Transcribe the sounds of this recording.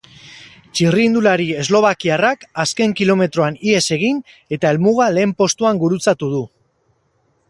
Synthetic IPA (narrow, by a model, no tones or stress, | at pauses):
t͡ʃiriːnd̪ulaɾie̞zlo̞β̞akiarakaske̞ŋkilo̞me̞t̪ɾo̞anie̞se̞ɣ̞in | e̞t̪ae̞lmuɣ̞ale̞ːmpo̞st̪uaŋɡuɾut͡sat̪uð̞u